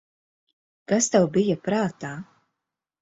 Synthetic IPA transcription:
kast̪awbijapɾaːt̪aː

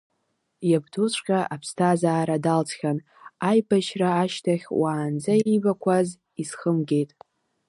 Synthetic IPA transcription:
jabdut͡ɕʷʰʼqʲʼaʔapʰstʰazaːɾadalt͡sʰχʲan | ajbaʃraːʃtʰaχʲwaːnd͡zaibakʷʰaz | isχəmɡʲe̞jtʼ

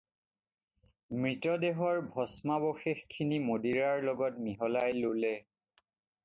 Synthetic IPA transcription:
mɹitɔdeɦɔɹbʱɔsmaboxexkʰːinimodiɹaɹlɔɡɔt̚miɦɔlajlolɛ

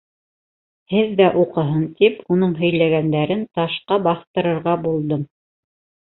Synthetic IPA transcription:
hɘðːæʔuqɤ̆ɦɤnt̪ipunɤɴɦɵ̆jlæɡænd̪æɾɘnt̪ɑʃqɑbɑθt̪ɤ̆ɾɤ̆ɾʁɑbulˠd̪ɤm

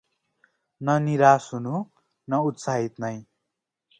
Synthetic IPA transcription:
nʌniɾasɦunu | nʌut̪saɦit̪nʌj

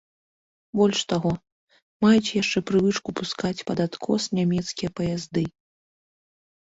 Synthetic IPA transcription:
bɔlʲʂt̪aɣɔ | majut͡sʲjaʂt͡ʂɛpɾɨvɨt͡ʂkupuskat͡sʲpɐd̪at̪kʰɔsnʲamʲɛt̪skʲijɐpɐjazd̪ɨ

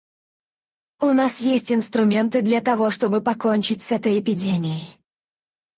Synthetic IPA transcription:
ʊnasjesʲtʲɪnst̪ɾʊmʲent̪ɨd̪lʲɐt̪ɐvo̞ʂt̪o̞bɨpɐkonʲt͡ɕɪtʲsɛt̪əjɪpʲɪdʲemʲɪɪ

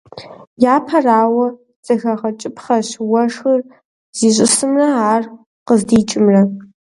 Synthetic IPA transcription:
jaːpʰɐraːwɐ | z̥ɐxɐʁɐt͡ʃʼɪpχɐɕwɐʂxɨr | z̥iːɕʷʼɪsɨmrɐaːr | qəzdiːt͡ʃʼɪmrɐ

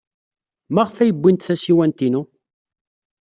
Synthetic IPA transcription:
mæʁfæjəbʷːint̪θæsiwænt̪inu

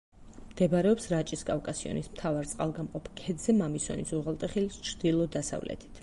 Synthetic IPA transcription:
md̪̥ɛbaɾɛɔpsɾat͡ʃʼiskʼavkʼasiɔ̰nismt̪ʰavaɾt̪sʼqʼalˠɡamqʼɔpʰkʰɛd̪zɛmamisɔ̰nisuʁalˠt̪ʼɛχilist͡ʃʰɾd̪ilˠɔd̪asa̰vlɛ̰t̪ʰi̥t̪ʰ

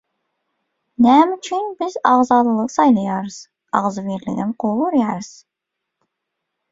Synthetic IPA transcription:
næmyt͡ʃʰynbɪzɑʁzɑːlˠɨlˠəqsɑjlˠɑjɑɾɨz̥ | ɑ̰ʁzɨveɾlɪ̰ɡʲɪmqʰoluɾjɑɾɨz̥

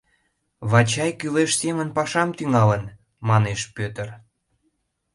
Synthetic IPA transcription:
βɑt͡ɕɑjkyleʃsemənpɑʃɑmt̪yŋɑlən | mɑneʃpøt̪ər

